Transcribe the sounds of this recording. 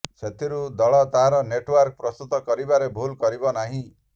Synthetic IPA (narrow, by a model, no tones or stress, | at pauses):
set̪ʰiɾud̪ɔɭɔt̪aɦaɾɔneʈwaɾk̚pɾɔst̪ut̪ɔkɔɾibaɾebʱulkɔɾibɔnaɦĩ